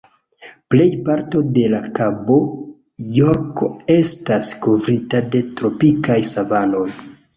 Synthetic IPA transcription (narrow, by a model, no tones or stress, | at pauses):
ple̞jpaɾto̞de̞lakabo̞ | joɾko̞e̞stasko̞vɾitade̞tɾo̞pikajsavano̞j